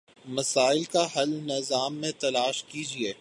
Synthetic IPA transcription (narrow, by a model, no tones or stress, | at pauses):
mɐsaːɪlkaɦɐlnɪzaːmːẽt̪ɐlaːʃkiːd͡ʒieː